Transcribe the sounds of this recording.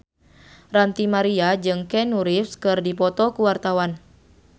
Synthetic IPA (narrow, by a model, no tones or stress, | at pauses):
rant̪imaɾiad͡ʒɨŋkɛnuɾifskɨrdipɔt̪ɔkuwart̪awan